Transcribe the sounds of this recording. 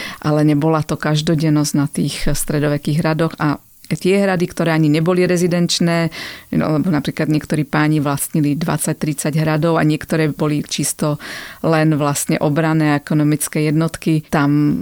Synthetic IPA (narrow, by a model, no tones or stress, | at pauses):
ʔalɛɲɛbɔlat̪ɔkaʒd̪ɔɟɛnɔznat̪iːxst̪ɾɛd̪ɔʋɛkiːɣɦɾad̪ɔɣa | t̪ɪɛɦɾad̪ikt̪ɔɾɛːaɲiɲɛbɔliɾɛzid̪ɛnt͡ʃnɛːa̰lɛbɔnapɾiːklad̪ɲɪɛkt̪ɔɾiːpaːɲiʋlasɲilid̪ʋa̰t͡sac̚t̪ɾit͡saɟɦɾad̪ɔʊa̰ɲɪɛkt̪ɔɾɛːbɔlit͡ʃist̪ɔlɛnʋlastɲɛ̰ʔɔbɾanɛːaɛkɔnɔmit͡skɛjɛd̪nɔt̪kit̪am